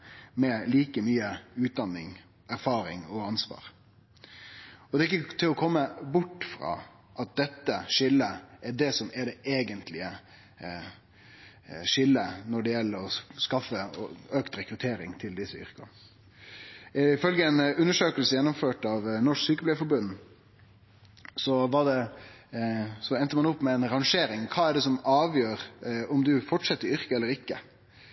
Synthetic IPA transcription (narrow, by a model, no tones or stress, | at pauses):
mɛliːkəmyːəʉːt̪̚d̪ɑnːɪŋ | æɾfɑːɾɪ̰ŋɔɑnsʋɑ̰ːɾ | ɔd̪ɛːɪk̬ːət̪ʰɪlɔkʰɔmːəbʊʈːfɾɑ̰ː | ʔɑt̪̚d̪ɛt̪ːəʂɪlːəɛɖɛsɔmɛɖɛʔeːɡənt̪ʰlɪə | ʂɪlːənɔɖɛjɛlːəɾɔskɑfəøkt̪ɾɛkɾʉt̪ʰeːɾɪŋt̪ʰɪld̪ɪsəʏ̰ɾkə̰ | fœlɡəɛnʉnːəʂøːkəlsəjɛnːɔmføːʈɑʋnɔʂksyːkəplɛːfɔɾbʉnː | sɔʋɑɖɛ | sɔɛnt̪əmɑnʊpːmɛɛnɾɑŋʂeːɾɪŋkʰɑːɛɖɛsɔmɑːʋjøːɾɔmd̪ʉfɔʈʂɛt̪ːəɾʏɾkəɛlːəɾɪkːə